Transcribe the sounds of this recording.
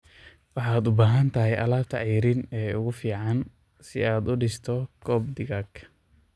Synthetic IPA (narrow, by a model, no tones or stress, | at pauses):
wɑħɑːd̪ʊbaːɦɐnt̪ʰɐɦɛjʔɐ̰laːbt̪ʰɐʕiːɾɪnɛːʊɣʊfiːʕɑn | sɪ̰aːd̪ʊɖɪst̪ʰɔkʰɔːb̚d̪ɪɣaːɡʰ